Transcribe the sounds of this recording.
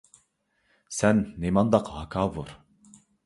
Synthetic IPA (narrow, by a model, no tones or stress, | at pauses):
sɛnːemɑnd̪ɑqʰhɑkʰɑːvuɾ